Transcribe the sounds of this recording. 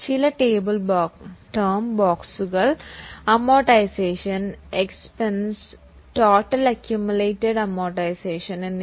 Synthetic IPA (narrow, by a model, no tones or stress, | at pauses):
t͡ɕilɐʈeːbɨlbːʈɐːmboːksuɣɐɭɐmːoːʈːɐjseːʂɐnekspens | ʈoːʈːɐlɐkjumuleːʈːeɽɐmːoːʈːɐjseːʂɐnenː